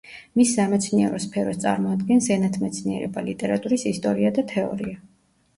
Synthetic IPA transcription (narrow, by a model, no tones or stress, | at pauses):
misːamɛt̪sʰniɛɾɔspʰɛɾɔst̪sʼa̰ɾmɔad̪ɡɛnsɛnat̪ʰmɛt̪sʰniɛ̰ɾɛ̰balit̪ʼɛɾat̪ʼuɾisist̪ʼɔɾiad̪at̪ʰɛɔ̰ɾia